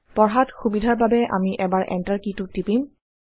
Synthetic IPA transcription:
pɔɹɦatxubidʱaɹbabɛʔa̰miʔɛbaɹʔɛ̰ntaɹkitʊtipim

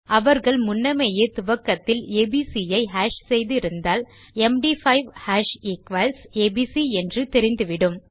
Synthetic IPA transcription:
ɐʋɐɾɣɐɭmʊnːɐmeːjeːt̪ʊʋɐkːɐt̪ːɪleːbiːsijɐɪɦaːʃsɛjðɪɪɾɯnd̪aːl | ɛmɖiːfɐɪʋhaːʃikʋɐlseːbisiɛndrɯt̪ɛɾɪnd̪ɯʋɪɽɯm

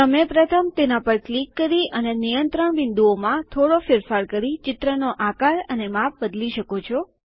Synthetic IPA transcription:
t̪əmepɾət̪ʰəmt̪enapəɾklikːəɾiənenijənt̪ɾəɳbɪnd̪uomãt̪ʰoɽofɪɾfaɾkəɾit͡ʃɪt̪ɾənoʔakaɭənemap̚bəd̪liʃəkot͡ʃʰɔ

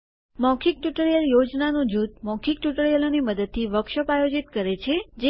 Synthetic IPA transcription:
mɔ̃kʰik̚ʈuʈəɾijəljod͡ʒnanod͡ʒut̪̚mɔ̃kʰik̚ʈuʈəɾijəloniməd̪əd̪̚t̪ʰiʋəkʃəpajod͡ʒit̪kəɾet͡ʃʰed͡ʒe

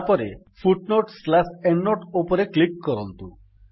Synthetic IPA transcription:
pɔɾḛpʰuʈnoʈslapenːoʈopoɾeklikːɔɾɔnt̪u

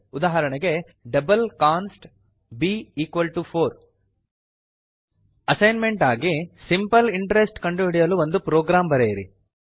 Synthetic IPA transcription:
ud̪aːɦɐɾɐɳɐɡe̞ | ɖɐbɐlkaːnsʈ | biːiːkʋɐlʈupʰoːɾ | ɐsɐjnme̞ɳʈaːɡisimpɐliɳʈɐɾesʈkɐɳɖuɦiɽijɐluʋond̪upɾoːɡɾaːmbɐɾejɾḭ

